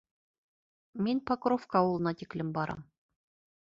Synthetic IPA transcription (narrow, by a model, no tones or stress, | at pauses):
mʲenʲpɑkrofkɑulˠɤ̆nɑt̪ʲikʲlʲɘ̆mbɑɾʔɤ̰m